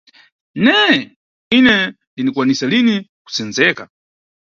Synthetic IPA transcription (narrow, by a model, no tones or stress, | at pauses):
nɛ | inɛ | nlinikwanisaliniku̥sɛnzɛka̰